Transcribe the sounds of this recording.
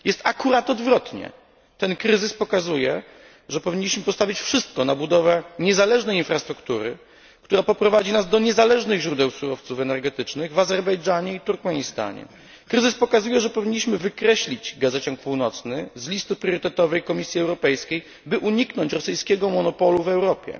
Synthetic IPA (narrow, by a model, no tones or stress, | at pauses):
jɛst̪akuɾat̪ɔd̪vɾɔt̪ɲɛ̰ | t̪ɛnkɾɘzɘspɔkazujɛ | ʐɛpɔvʲiɲːiɕmɘpɔst̪avʲit͡ɕfʂɘst̪̚kɔnabud̪ɔvɛɲɛzalɛʐnɛjinfɾast̪ɾukt̪uɾɘ̰ | kt̪uɾapɔpɾɔvad͡ʑinazd̪ɔɲɛzalɛʐnɘɣʑɾud̪ɛwsuɾɔft̪sufɛnɛɾɡɛt̪ɘt͡ʂnɘɣvazɛɾbɛjd͡ʐaɲɛit̪uɾkmɛɲist̪a̰ɲɛ̰ | kɾɘzɨspɔkazujɛʐɛpɔvʲiɲːiɕmɘvɘkɾɛɕlʲid͡ʑɡazɛt͡ɕɔŋk̚puwnɔt̪snɘzlʲist̪ɘpɾʲjɔɾɘt̪ɛt̪ɔvɛjkɔmʲisʲjiɛwɾɔpɛjskʲej | bɘʔuɲiknɔɲt͡ɕɾɔsɘjskʲɛɡɔmɔnɔpɔluvɛwɾɔpʲjɛ̰